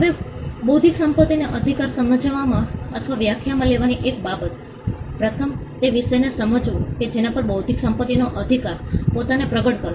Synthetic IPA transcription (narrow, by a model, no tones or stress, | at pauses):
ɦəʋebəwd̪ʱiksəmpət̪ːineʔəd̪ʱikaɾsəməd͡ʒʋamãət̪ʰʋaʋjakʰjamãleʋaniʔekbabət̪ | pɾət̪ʰəmt̪eʋiʃəjnesəməd͡ʒʋũked͡ʒenapəɾbəwd̪ʱiksəmpət̪ːinoʔəd̪ʱikaɾpot̪anepɾəɡəʈkəɾ